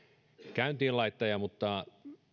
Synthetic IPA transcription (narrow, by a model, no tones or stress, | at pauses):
kæynt̪iːlɑit̪ːɑjɑmut̪ːɑ